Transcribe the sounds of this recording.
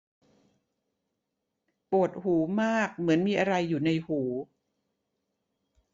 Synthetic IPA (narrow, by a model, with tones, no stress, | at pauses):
pu˨˩ət̪̚huː˩˦maː˥˩k̚mɯ˩˦ənmiː˧ʔa˧ɾa˧jːuː˨˩na˧jhuː˩˦